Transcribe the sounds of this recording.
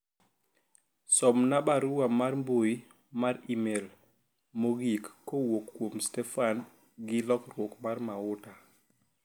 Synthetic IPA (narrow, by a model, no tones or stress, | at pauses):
sɔmnabaɾuwamarmboi | maɾimel | moɡikːowokːwomstɛfan | ɡɪlɔkrwokmarmaʊta